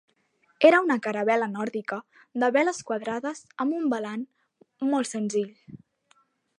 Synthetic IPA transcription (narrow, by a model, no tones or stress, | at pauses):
eɾəunəkəɾəβɛlənɔɾðikə | ðəβɛləskwəðɾaðəzəmbumbəlan | mɔlˠtsənziʎ